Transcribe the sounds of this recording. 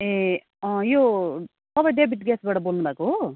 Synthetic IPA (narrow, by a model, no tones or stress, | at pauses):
e | jo | sʌbʌjɖebʱiʈɡɛsbaːʈʌbolnubaːko